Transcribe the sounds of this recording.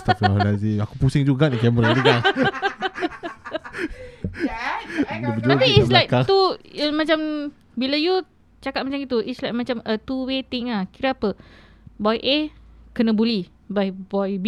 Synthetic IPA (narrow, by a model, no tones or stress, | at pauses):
st̪afanaziakupusɪŋd͡ʒuɡaʔnikɛməɾat̪iɡaŋ | dəbəd͡ʒ̪apiislajk̚kat̪umãt͡ʃam | bilaju | t͡ʃakat̪̚mat͡ʃamit̪uʔislajk̚mãt͡ʃamʔət̪uwet̪iŋahkiɾaːpə | bɔjʔekənə̃buli | bajbɔjbi